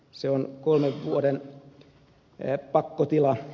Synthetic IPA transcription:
seonkolmeʋʋuoden | pɑkːot̪ilɑ

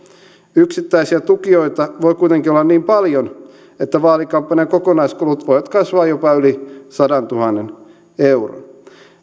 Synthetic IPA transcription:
yksit̪ːæisiæt̪ukioit̪ɑʋoikuijt̪eŋkiolːɑnniːmpɑljon | et̪ːæʋɑːlikɑmpːɑniɑkokonɑiskulut̪ʋojʋɑt̪kɑsʋɑːjopɑylisɑdɑnt̪uhɑnːen | euro̰n

